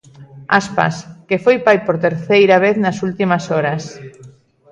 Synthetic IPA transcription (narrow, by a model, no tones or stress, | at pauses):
aspa̰skefojpajpoɾt̪eɾθejɾaβ̞eθnɐsult̪imɐsɔɾɐs